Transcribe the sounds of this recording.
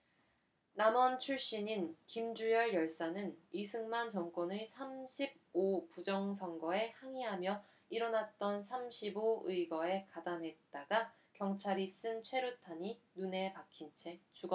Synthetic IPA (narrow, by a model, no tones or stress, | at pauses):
namʌnt͡ɕʰuɭɕ͈iɲinkimd͡ʑujʌɭjʌɭs͈anɯnisʰɯŋmant͡ɕʌŋk͈onɯsʰamɕʰib̚opud͡ʑʌŋsʰʌŋɡʌe̞haŋiɦamjʌ | iɾʌnat̚t͈ʌnsʰamɕʰiboɯiɡʌe̞kadamɦe̞t̚t͈aɡa | kjʌŋt͡ɕʰaɾis͈ɯnt͡ɕʰwe̞ɾutʰaɲinune̞pakʰint͡ɕʰe̞t͡ɕuɡʌ